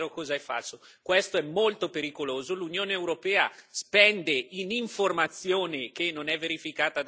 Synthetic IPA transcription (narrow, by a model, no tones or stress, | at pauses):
ɾokɔːzaɛfa̰lsokwest̪oɛmːolt̪opeɾikoloːzolunjoːneːwɾopɛːaspɛnd̪einiɱformat̪sːjoːnekenːonɛvːeɾifikaːt̪ad̪